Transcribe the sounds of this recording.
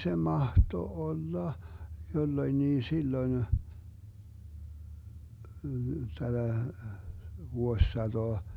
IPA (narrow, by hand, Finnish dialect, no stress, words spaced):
se mɑhto olːɑ jolːoĭnːiː silːoĭn tæd̥æ ʋuosːɑtoɑ